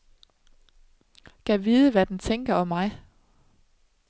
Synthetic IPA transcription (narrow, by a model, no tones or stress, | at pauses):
kʰæʋiːðˠəʋæd̥ent͡sʰeŋɡ̥ɐɒ̽mːɑ̈ɪ